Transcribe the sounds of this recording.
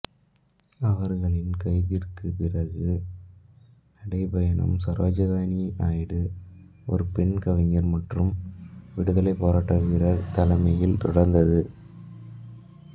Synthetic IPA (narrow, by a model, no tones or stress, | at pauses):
ɐʋɐɾɣɐɭɪnkɐɪðɪrkɯpɪrɐɣɯ | nɐɽɐɪpɐjɐnɐ̰msɐɾaːd͡ʒɐɣaːniʔaːjɽɯ | ɔ̰ɾɯpɛɳkɐʋɪŋɐɾmɐʈrɯmʋɪɽɯðɐlɐɪpːoːɾaːʈːɐɣɪrɐt̪ɐlɐmɐjɪlt̪ɔɽɐɾnd̪ɐðɯ